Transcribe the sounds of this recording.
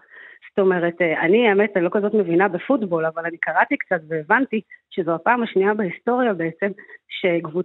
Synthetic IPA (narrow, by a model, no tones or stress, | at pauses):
sto̞me̞ʁe̞tanieme̞tlo̞kazo̞tme̞vinabefutbo̞lavalanikaʁatikt͡satve̞ːvantiʃezohapaːmaʃniabehisto̞ʁjabe̞et͡se̞mʃe̞ɡvu